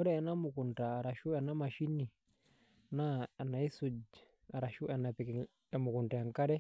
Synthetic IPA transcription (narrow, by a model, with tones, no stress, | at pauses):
ɔ˦ɾɛ˦ɛ˨na˦mʊ˨kʊ˨ntaː˨ɾa˨ʃu˦ɛ˨na˦ma˨ʃi˦ni˨ | na˦a˨na˨i˦su˨d͡ʒ | a˨ɾa˨ʃu˦ʔɛ˨na˨pɛ˨kɪ˨ | ɛ˨mʊ˨kʊ˨nta˨a˨ŋka˦ɾɛ˦